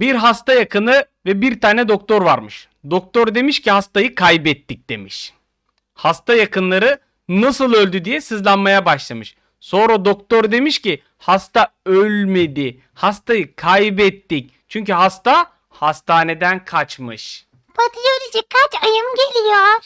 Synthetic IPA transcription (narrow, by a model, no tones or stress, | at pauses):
biɾɦast̪ajakʰɯnɯ | vɛbiɾt̪ʰaːnɛd̪o̞k̚t̪o̞ɾvaɾmɯʃ | d̪ok̚t̪oɾd̪e̞miʃcihast̪ajɯkʰajbɛt̪ːic̚d̪̥e̞miʃ | hast̪ajakɯnlˠaɾɯ | nasɯlˠø̞lʲd̪yd̪ijɛsɯzlˠanmajabaʃlˠamɯʃ | so̞nɾad̪okt̪oɾd̪e̞miʃci | hast̪aølʲme̞d̪i | hast̪ajɯkʰajbɛt̪ːic̚ | t͡ʃʰyɲcyɦast̪a | hast̪ʰaːne̞d̪ænkʰat͡ʃmɯʃ | bat̪ʰɯjoɾid͡ʒɛkʰːat͡ʃajɯmɟelʲijoɾ̥